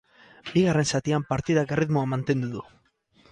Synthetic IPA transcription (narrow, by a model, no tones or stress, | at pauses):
biɣare̞nsat̪iampaɾt̪iðakeriðmoamant̪e̞nd̪uðu